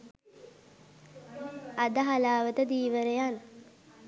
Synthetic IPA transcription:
ad̪əɦalaːʋət̪əd̪iːʋəɾejan

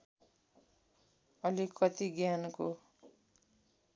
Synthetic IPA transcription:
ʌlikʌt̪iɡjanko

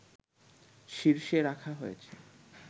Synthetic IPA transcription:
ʃiɾʃeɾakʰaɦojet͡ɕʰe

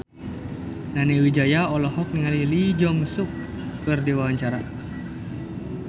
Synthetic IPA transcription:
naniwid͡ʒajaɔlɔhɔk̚niŋalilid͡ʒɔməsuk̚ | kɨrdiwawaɲt͡ʃaɾa

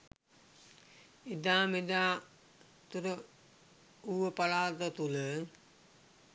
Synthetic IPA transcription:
id̪aːmid̪aː | t̪uɾə | uəpɐlaːt̪ət̪ulə

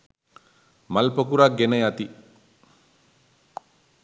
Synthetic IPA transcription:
mɐlpɐkuɾaɡenɐjat̪i

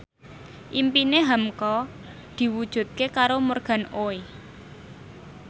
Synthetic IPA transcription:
ʔimpineɦamkɔ | d̪̥i̤wud̥ʒ̥ṳt̪̚kekaɾomorɡ̥ä̤noe

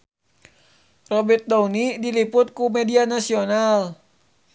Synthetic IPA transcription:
rɔbit̪̚downidilipʊt̪̚kumɛdianasional

